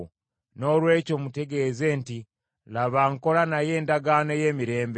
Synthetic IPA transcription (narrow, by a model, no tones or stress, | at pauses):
no̞lwe̞ːco̞ːmute̞ɡe̞ze̞nti | laβaŋko̞lanaje̞ːndaɡaːno̞je̞ːmiɾe̞ːmb